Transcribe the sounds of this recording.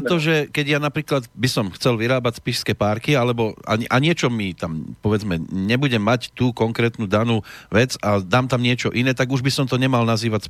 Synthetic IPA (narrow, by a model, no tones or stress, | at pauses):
t̪ɔʒɛkɛɟjanapɾiːklad̪bisɔmxt͡sɛlʋiɾaːbacspiʃskɛːpaːɾkialɛbɔa̰ɲiʔaɲɪɛt͡ʃɔmit̪ampɔʋɛd͡zmɛɲɛbuɟɛmːact̪uːkɔŋkɾɛːt̪nuːd̪anuːʋɛd͡zad̪aːmt̪amɲɪɛt͡ʃɔʔinɛːt̪aɡuʒbisɔmt̪ɔɲɛmalnaziːʋacs